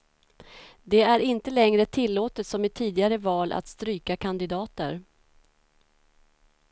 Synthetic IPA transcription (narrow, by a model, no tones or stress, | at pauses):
d̪ɛæɾɪnt̪əlɛŋɾət̪ʰɪlːoːt̪ət̪sɔmɪt̪ʰiːd̪ɪɡaɾəvɑːlʔa̰t̪st̪ɾyːkakʰand̪ɪd̪ɑːt̪ə̰ɾ